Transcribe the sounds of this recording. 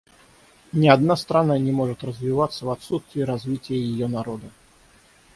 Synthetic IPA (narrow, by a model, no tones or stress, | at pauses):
nʲiad̪nast̪ɾananʲɛmɔʐɨt̪rəzʲvʲivat̪sːəvat̪sust̪vʲiɾazʲvʲit͡sʲijəjɪjɔnaɾɔd̪ɐ